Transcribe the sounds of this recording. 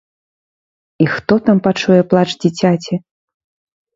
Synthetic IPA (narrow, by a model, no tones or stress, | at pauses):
ixt̪ɔt̪ampat͡ʂujɛplˠat͡ʂd͡zʲit͡sʲat͡sʲi